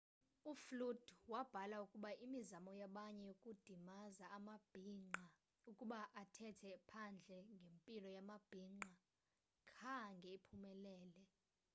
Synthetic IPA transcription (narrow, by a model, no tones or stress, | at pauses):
uflud̥wab̥ʱalaukʼuɓaʔimizamɔjaɓaɲɛjokʼud̥ʱimazaːmab̥ʱŋ͡ǃa | ukʼuɓaʔatʰɛtʰɛpʰand͡ɮʱɛŋɡʱempʼilɔjamab̥ʱiːŋ͡ǃa | kʰaŋɡʱɛipʰumɛlɛːlɛ